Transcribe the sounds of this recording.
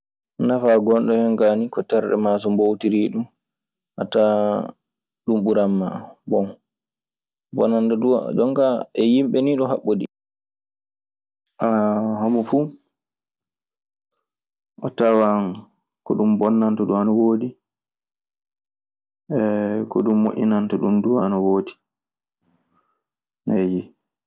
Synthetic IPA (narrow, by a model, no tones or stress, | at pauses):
nafaɡɔnɗɔhɛŋɡanikɔtɛɾɗɛ̰mas̬ɔmbowtiɾiːɗum | ha̰ta | ɗumɓuɾamːa̰bɔn | bɔ̰nːantɔdṵd͡ʒɔŋkaɛjimɓɛniɗɔɦaɓːoɗi | ʔaɦamɔfu | ʔɔtawan | kɔɗumbɔnːantɔɗuwanɔwoːdi | ɛkɔɗumːoʔʲinantɔɗumduwanɔwoːdi | naji